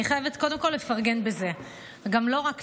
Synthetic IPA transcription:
iχajevet̪ko̞de̞mko̞lːe̞faʁɡenbeze̞ | ɡamlo̞ʁak

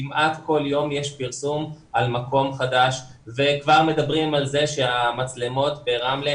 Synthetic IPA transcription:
imʔatko̞ljo̞mje̞ʃpiʁsum | almako̞mχadaʃ | ve̞kvaʁmedabʁimalze̞ʃeamat͡sle̞mo̞t̪beʁamle

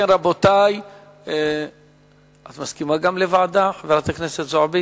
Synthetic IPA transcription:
enʁabot̪aj | e | at̪maskimaɡamlevaʕd̪aχveat̪akneset̪zoʕabi

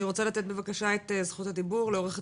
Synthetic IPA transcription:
iʁo̞t͡salat̪e̞t̪̚bevakaʃaet̪ezχuthad̪ibuʁleo̞ʁeχ

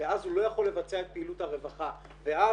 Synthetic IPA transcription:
veazhulo̞jaχo̞lːe̞vat͡seaet̪̚peiluthaʁe̞vaχa | ve̞ʔa

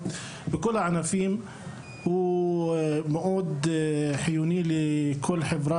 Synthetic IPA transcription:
bɪkʊlːʕanafiːm | w | mʊʔuːd̪ħɪjuːniːlɪkʰʊlːħɪbɾˤɑ

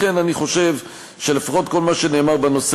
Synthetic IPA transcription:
e̞naniχo̞ʃe̞v | ʃe̞lefaχo̞t̪ko̞lmaʃe̞ne̞ːmaʁbeno̞s

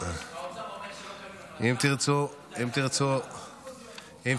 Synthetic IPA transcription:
imt̪iʁt͡su | imt̪iʁt͡su | im

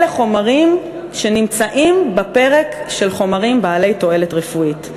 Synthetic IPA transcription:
leχo̞maʁim | ʃe̞nimt͡saʔimbape̞ʁekʃe̞lχo̞maʁimbaːle̞jto̞e̞letʁefuit

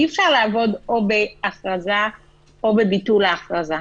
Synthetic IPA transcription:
ifʃaʁlaːvo̞d̪o̞be̞aχʁaza | obe̞bitulaːχʁaza

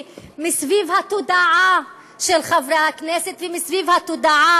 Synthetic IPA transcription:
misvivhat̪od̪aʕa | ʃelχavɾahakneset̪vemisvivhat̪od̪aʕa

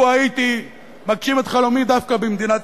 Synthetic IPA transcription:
ajit̪i | makʃimet̪χalomid̪afkabemd̪inat̪

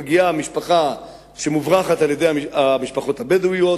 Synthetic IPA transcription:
ɡijamiʃpaχa | ʃe̞muvʁaχataljed̪e̞jaiamiʃpaχo̞t̪abedujo

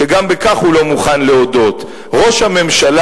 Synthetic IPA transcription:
eɡambekaχhulo̞muχanleodo̞t | ʁo̞ʃhame̞mʃala

